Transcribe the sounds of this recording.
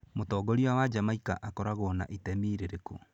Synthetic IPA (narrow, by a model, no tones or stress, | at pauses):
motɔːɡɔɾiwawad͡ʒamaikaʔakɔɾaɣɔna̰ʔitɛmiɾeɾeko